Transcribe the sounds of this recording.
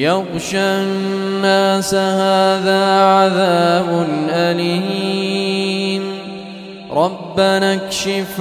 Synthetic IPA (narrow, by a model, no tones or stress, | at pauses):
jaɣʃa | nːaːsahaːðaːʕaðaːbʊnʔalihi | n | ɾˤɑbːanakʃɪf